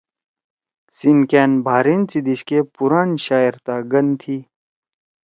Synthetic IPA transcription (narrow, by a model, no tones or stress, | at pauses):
sinkeːnbʱaːɾint͡sid̪iɕkepuɾaːnɕaːjɾt̪aːɡɐnt̪ʰiː